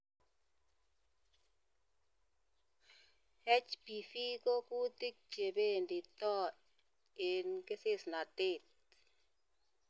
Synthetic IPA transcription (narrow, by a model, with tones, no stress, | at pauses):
hɛ˦t͡ʃpi˨fi˦ko˦ku˦ti˦k̚t͡ʃe˨be˦ndi˨tɔ˦ | e˨nke˦sɪ˦˨sna˨te˦˨t̚